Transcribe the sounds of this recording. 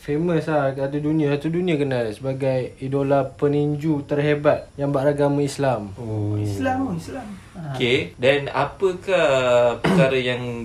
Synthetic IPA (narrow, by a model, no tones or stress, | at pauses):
femə̃slahkəat̪udunĩãsat̪udunĩakənalsəbaɡajidolapəniɲd͡ʒut̪ərɦebat̪̚jaŋbaʔɾaɡamãislamoslaisla | okedana̰pəkahpəərkaɾəjaŋ